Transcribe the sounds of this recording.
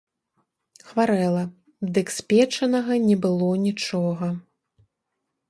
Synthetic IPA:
xvaɾɛlˠɐ | d̪ɨksʲpʲɛt͡ʂɐnɐɣɐnʲɛbɨlˠɔnʲit͡ʂɔɣɐ

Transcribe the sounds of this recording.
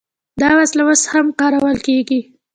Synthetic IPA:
d̪ɑwaslawəshamkɑɾawəlkeɡi

